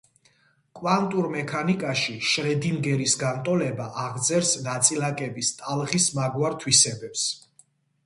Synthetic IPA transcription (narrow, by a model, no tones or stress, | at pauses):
kʼwant̪ʼuɾmɛkʰanikʼaʃiʃɾɛd̪imɡɛɾisɡant̪ʼɔlɛbaʔaʁd̪zɛɾsnat̪sʼilakʼɛbist̪ʼalˠʁismaɡwaɾt̪ʰwisɛbɛps